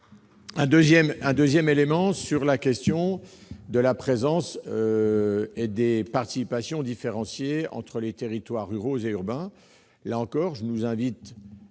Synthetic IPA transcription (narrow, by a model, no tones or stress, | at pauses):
ɛ̃d̪øzjɛmɛ̃d̪øzjɛmelemɑ̃syʁlakʲɛst̪jɔ̃d̪əlapχezɑ̃s | ed̪epaʁt̪i̥sipasjɔ̃d̪ifeʁɑ̃sjeɑ̰̃t̪χəlet̪eʁit̪waʁːyʁozeyʁbɛ̃ | laɑ̃kɔːʁʒənuzɛ̃vit̪